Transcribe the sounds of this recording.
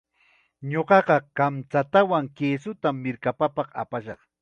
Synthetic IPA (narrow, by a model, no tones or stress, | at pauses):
ɲoɢɑɢɑkamt͡sat̪awaŋkeːsʊt̪amːɪɾkapapɑqa̰paʃɑχ